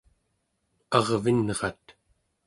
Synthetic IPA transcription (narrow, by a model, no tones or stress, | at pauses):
ɑʁvinʁɑt̪